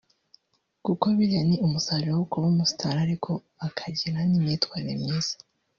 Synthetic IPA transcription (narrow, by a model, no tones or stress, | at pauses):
kukoβiɾaniumusaɾiɾowukuβumustʰaɾaɾikʰo̞ | akʰaɟiɾanimɲiːtwaːɾiɾemɲiːz̥ḁ